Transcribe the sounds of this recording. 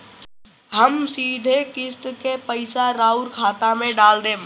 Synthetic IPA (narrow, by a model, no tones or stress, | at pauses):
ɦəmsiːd̪ʱekɪst̪kepəɪsaɾaːʊɾkʰaːt̪amẽɖaːld̪ẽː